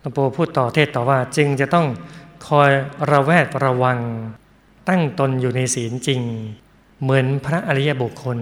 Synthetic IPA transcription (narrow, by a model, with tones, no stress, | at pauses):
a˧poː˧pʰuː˥˩t̪ːɔː˨˩t̪ʰeː˥˩t̪ːɔː˨˩waː˥˩t͡ɕɯ˧ŋt͡ɕa˨˩t̪ɔ˥˩ŋkʰɔː˧jɾa˧wɛː˥˩t̪̚ɾa˧wa˧ŋ | t̪a˥˩ŋt̪o˧njuː˨˩na˧jsiː˩˦nt͡ɕi˧ŋ | mɯ˩˦npʰɾa˦˥ʔa˧ɾi˦˥ja˧˥bu˨˩kʰːo˧n